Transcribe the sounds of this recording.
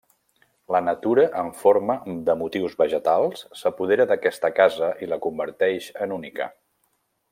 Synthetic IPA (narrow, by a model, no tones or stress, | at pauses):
lənət̪uɾəʔəɱfoɾməðəmut̪iwzβəʒət̪alˠsːəpuð̞eɾəðəkɛst̪əkazəʔiləkumbəɾt̪ɛʃənunika̰